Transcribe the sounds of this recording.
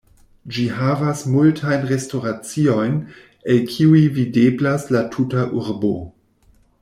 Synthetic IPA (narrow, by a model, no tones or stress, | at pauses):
d͡ʒiɦavasmultʰajnʁe̞sto̞ɾat͡sio̞jn | elkʰiuivideblaslatʰutaʔuɾbo̞